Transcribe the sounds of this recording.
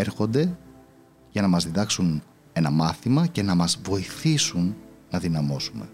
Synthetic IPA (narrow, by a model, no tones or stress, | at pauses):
eɾxo̞nd̪e̞ | ʝɐnɐmɐzðiðɐksun | e̞nɐmɐθimɐce̞nɐmɐzvo̞iθisunːɐðinɐmo̞sume̞̰